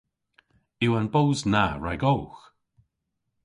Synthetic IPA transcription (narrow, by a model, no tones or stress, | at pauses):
iwənbowznaɹa̰jɡowx